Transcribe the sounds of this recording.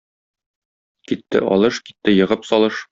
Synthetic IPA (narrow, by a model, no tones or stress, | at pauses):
kit̪ːɘ̰ʔɒ̰lˠɤʃki̥t̪ːɘjɤ̆ʁɤpsɒlˠɤʃ